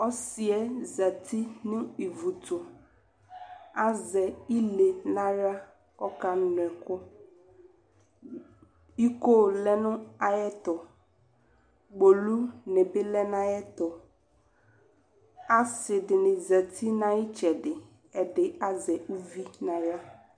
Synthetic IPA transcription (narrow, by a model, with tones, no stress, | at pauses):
ɔ˦sɪ˨ɛ˦za˨t̪ʰi˦nʊ̃˦i˨vu˨tʊ˨ | a˦zɛ˨i˦le˨nã˦ɾa˦ | ɔ˦ka˦nʊ˨ɛ˨kɔ˦ | i˦ko˦˨lɛ˦nʊ̃˦a˨jɛ˦t̪ɔ˨ | ɡ͡bo˨lu˦nɪ̃˨bɪ˦lɛ˦nã˦jɛ˦t̪ɔ˨ | a˦sɪ˨dɪ˨nɪ̃˨za˨t̪ʰi˦nã˦jɪ˦t͡ʃɛ˨dɪ˨ | ɛ˨dɪ˨a˦zɛ˨u˦vi˦nã˨ɾa˦